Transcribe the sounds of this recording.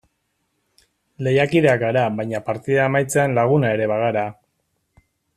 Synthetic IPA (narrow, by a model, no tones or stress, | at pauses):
le̞jakiðeakɡaɾaβajɲapaɾt̪iðaemajt͡seanlaɣ̞unae̞ɾe̞βaɣaɾa